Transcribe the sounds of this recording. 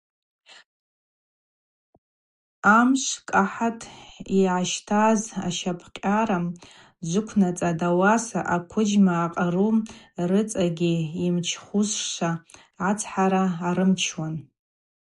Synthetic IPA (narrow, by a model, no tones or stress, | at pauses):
amʃʷkʼaħatʰʼiʕaʃtʰaza̰ʃapʰqʲʼaɾam | d͡ʒʷʊkʷʰnat͡sʼadawasaʔakʷʰʊd͡ʒmaːqʼaru | rɨt͡sʼaɡʲiimt͡ʃʰχʷuzʂʷa | ʕat͡sʰħaɾaːɾɨmt͡ʃʰwan